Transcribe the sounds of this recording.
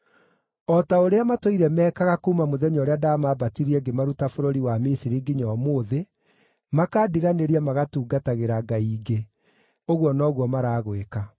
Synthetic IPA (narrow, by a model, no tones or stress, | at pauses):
ɔtaoɾeamatoiɾɛmɛːkaɣakumamoðɛɲɔɾeadamabatiɾiɛɡemaɾutafoɾoɾiwamisiɾiɡiɲɔmoːðe | makaːdiɣaneɾiamaɣatuːɡataɣeɾaɡaiːɡe | oɣwɔnɔːɣwɔmaɾaːɣweka